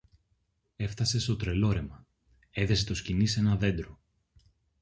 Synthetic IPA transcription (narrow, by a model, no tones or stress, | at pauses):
e̞ft̪ɐse̞st̪o̞t̪ɾe̞lo̞ɾe̞mɐ | e̞ðe̞se̞t̪oscinise̞nɐðe̞nd̪ɾo